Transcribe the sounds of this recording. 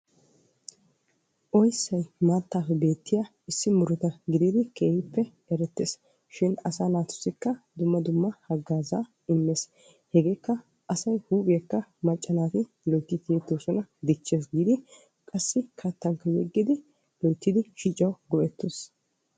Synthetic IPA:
ʔɔjsːɐjmaːt̪ːaːfɛbe̞ːt̪ːɪjaː | ɪsːɪmʊɾʊt̪ɐɡɪd̪iːd̪ɪke̞ːhɪpːɛ | ɛɾɛt̪ːeːs | ʃɪnɐsaːnaːt̪ʊ̥sːɪkːɐd̪ʊmːɐd̪ʊmːɐhɐɡːaːzaː | ɪmːe̞ːs | hɛɡe̞ːkːɐ | ʔɐsɐjhuːbʼɪjɐkːɐmɐt͡ʃʼːɐnaːt̪ɪ | lɔjt̪ːɪt̪ɪjɛt̪ːoːsɔnɐd̪ɪt͡ʃːeːs̬ɡiːd̪ɪ | kʼɐsːɪkʰɐt̪ːɐŋkːɐjɛɡːɪd̪ɪ | lɔjt̪ːɪd̪ɪʃit͡ʃʼɐwɡɔʔɛt̪ːes

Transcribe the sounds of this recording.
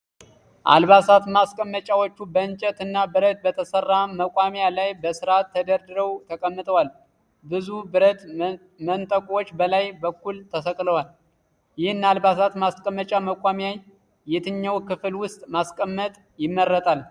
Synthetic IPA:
ʔa̰lβasat̪maskʼəmːət͡ʃʼawot͡ʃːubəɨnt͡ʃʼət̪ɨnːabɨɾət̪̚bət̪ʰəsərːaməkʼwamjalajbəsɨɾat̪ʰːəd̪əɾd̪ɨɾəwt̪ʰəkʼəmːɨt̪ʼəwal | bɨzubɨɾət̪ | mənt̪ʼəkʼwot͡ʃːbəlajbəkːult̪ʰəsəkʼləwal | jɪhɨnːalbasat̪maskʼəmːət͡ʃʼaməkʷʼamjaj | jɛt̪ʰɨɲːawkɨflwʊst̪ʼmaskʼəmːət̪ʼ | jɪmːəɾːət̪ʼal

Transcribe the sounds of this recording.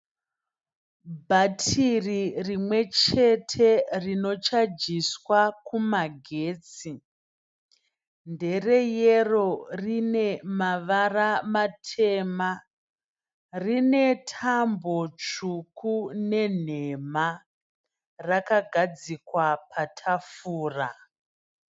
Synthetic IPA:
bʱatʰiririmwe̞t͡ʃe̞tʰe̞rino̞t͡ʃad͡ʒiswakumaɡʱe̞ːt͡si | nde̞re̞jero̞rine̞maʋaramatʰe̞ːma | rine̞tʰambo̞t͡ʃukʰune̞n̤e̞ma | rakaɡʱad͡zikwapʰatʰafuːra

